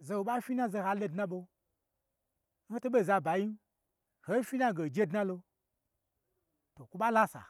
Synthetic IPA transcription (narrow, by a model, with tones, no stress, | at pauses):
ze˧wo˨ɓa˦fʲi˦na˦ze˧ha˧lo˧dna˦ɓo˧ | n̩˦ho˦to˦ɓe˦˨za˧ba˨ji˦n˦ | ho˦fʲi˦na˦˨ɡe˨d͡ʒe˦dna˦lo˧ | to˨kʷu˦ɓa˦la˦sa̰˨